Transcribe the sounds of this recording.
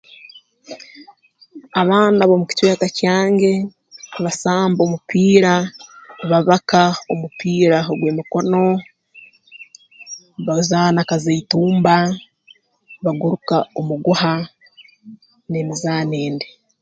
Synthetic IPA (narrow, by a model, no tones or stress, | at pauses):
aβaːnaβomuki̥cweːkacaːŋɟe̞ | βasaːmbo̞ːmupʰiːɾa | βaβakaomupiːɾaoɡweːmiko̞no̞ | βazaːnakazeituːmba | βaɡuɾukaomuɡuha | nemizaːneːnde